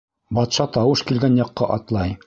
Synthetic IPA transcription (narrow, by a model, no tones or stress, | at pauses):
bɑt̪ʃɑt̪ɑwɤʃkilɡænjɑqːɑʔɑt̪lˠɑj